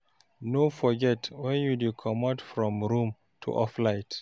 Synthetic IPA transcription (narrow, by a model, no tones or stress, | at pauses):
nofɔɡɛtwɛ̃njudukʰɔmatfɹɔ̃mɹũm | tʰṵʔɔflaɪt